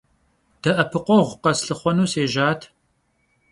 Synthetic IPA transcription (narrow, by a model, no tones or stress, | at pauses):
d̪̥ɐʔɐpʰɨqʷoʁʷqɐsɬɨχʷɐnuːseːʒaːt̪ʰ